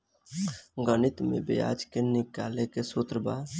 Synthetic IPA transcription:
ɡənɪt̪mḛbḛja̰ːd͡ʒkenɪkaːlekesut̪ɾəbaː

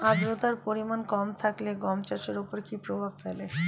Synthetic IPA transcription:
ad͡ʒɾot̪aɾpoɾimankɔmt̪ʰakleɡɔmt͡ɕaʃeɾupoɾkipɾobʱabfele

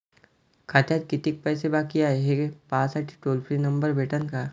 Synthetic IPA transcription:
kʰat̪jad̪kɪt̪ɪk̚pɛːsebaːkijaɦɛɦepaːsaʈʰi̥ʈoːlfʰɾinɐ̃mbəɾbʱeːʈənkaː

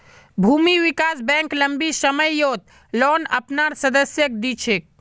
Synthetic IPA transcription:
bʱumiʋikasbɛ̃ŋkləmbisəməjːot̪̚ | lonə̰pnaɾsəd̪əsjək̚d̪it͡ʃʰek̚

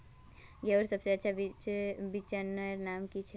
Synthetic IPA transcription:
ɡewɾsəbseətːt͡ʃʰabibit͡ʃənːəɾnamkit͡ʃʰe

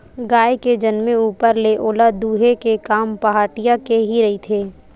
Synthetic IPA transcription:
ɡaːjked͡ʒɐnmeuːpəɾleʔoːlad̪uːɦekekaːmpɐɦaːʈijakeɦiɾɐɦit̪ʰeː

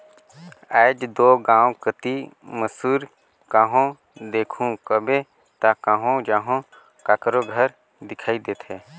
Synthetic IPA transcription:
ɛːd͡ʒd̪oːɡãːwkət̪iməsuːɾ | kaɦõ | d̪eːkʰũkəbẽ | t̪akaɦõd͡ʒaːɦõ | kakɾoɡʱəɾ | d̪ɪkʰaːid̪eːt̪ʰɦɛː

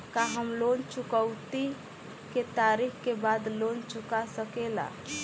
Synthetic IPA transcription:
kaɦəmlont͡ʃukəwt̪i | ket̪aɾikkebad̪lont͡ʃukasəkela̰

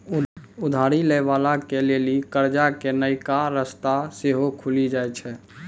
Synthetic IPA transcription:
ʊd̪ʱaɾileʋalakelelikəɾd͡ʒakenəjkaɾəst̪aseɦokʰulid͡ʒaːjt͡ʃʰɛː

